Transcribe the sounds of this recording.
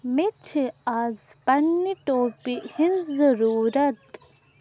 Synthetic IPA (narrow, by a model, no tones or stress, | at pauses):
met͡ʃʰiaːzpɐnːiʈoːpihinzɐɾuːɾɐt̪